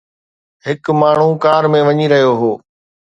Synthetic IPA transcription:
ɦɪkmaːɳ̤ũkaːɾmẽʋɐɲiɾɐɦijoɦoː

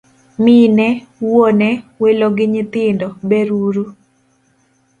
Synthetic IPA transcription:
minɛwonɛweloɡɪɲɪt̪ɪndɔbɛɾuɾu

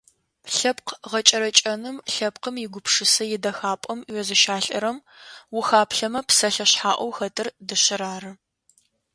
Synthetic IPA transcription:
ɬɐpqʁɐt͡ʃʼɐɾɐt͡ʃʼɐnɨmɬɐp̚qəmjɪɡʷʊpʰʂɨsɐjɪdɐxaːpʼɐmɥɛzɨʃaːɬʼɐ̰ɾɐm | wʊxaːpʰɬɐmɐpsɐɬɐɕħaːʔʷɔwxɐtʼɨrdɨɕɪɾaːrɨ

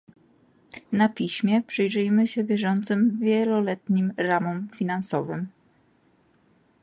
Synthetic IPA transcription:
napʲiɕmʲjɛpʂɘjʐɘjmɘɕɛvʲjɛʐɔnt̪sɘmvʲjɛlɔlɛt̪ɲimɾamɔmfʲinansɔvɘ̰m

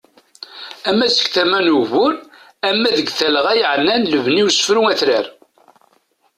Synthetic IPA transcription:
æmːæsə̥kθæmænuvʊɾ | æmːæðəɡθælʁæjəʕnːænləvniwusə̥fɾuŋæθɾæɾ

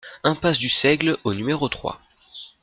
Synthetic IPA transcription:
ɛ̃pasd̪ysɛɡlonymeʁot̪χwa̰

